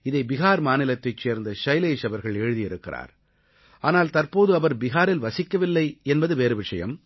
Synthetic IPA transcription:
ɪðɐɪbɪɣaːɾmaːnɪlɐt̪ːɐɪt͡ʃːeːɾnd̪ɐʂɐɪleːʂɐʋɐɾɣɐɭeːɻɯðijɪɾɯkːɪra̰ːɾ | ʔaːnaːlt̪ɐɾpoːðɯɐʋɐɾbɪɣaːɾɪlʋɐsɪkːɐʋɪlːɐɪɛnbɐðɯʋeːɾɯʋɪʂɐjɐ̰m

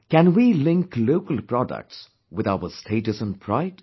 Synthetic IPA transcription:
kæ̃nwilɪ̃ŋkloʊkəlpɹ̥ɔdə̰k̚ts | wɪðawəstʰeɪtɨsə̃npʰɹ̥aɪd̥

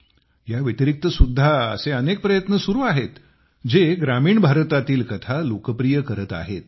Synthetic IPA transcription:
jaʋit̪iɾik̚t̪əsud̪ʱːaə̰seənek̚pɾəjət̪nəsuɾuːaɦet̪ | d͡ʑeɡɾamiːɳbʱaɾt̪at̪iːlkət̪ʰalokəpɾijəkəɾət̪a̰ɦet̪̚

